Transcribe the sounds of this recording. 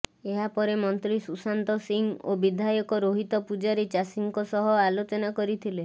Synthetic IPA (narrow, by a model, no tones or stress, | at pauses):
eɦapɔɾemɔnt̪ɾisusant̪ɔsiŋobid̪ʱajɔkɔɾoɦit̪ɔpud͡ʒaɾit͡ʃasiŋkɔsɔɦɔalot͡ʃɔnakɔɾit̪ʰile